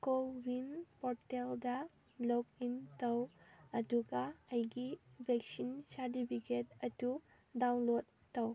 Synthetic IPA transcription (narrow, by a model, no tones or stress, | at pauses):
kobinpɔɾteldɐ | lok̚intɐwɐduɡɐɐjɡibʱek̚sinsaɾtipʰiket̚ɐdu | dawnlodːɐw